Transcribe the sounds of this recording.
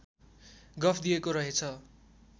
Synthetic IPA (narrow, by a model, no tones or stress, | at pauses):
ɡʌpʰd̪ijekoɾʌɦet͡sʰʌ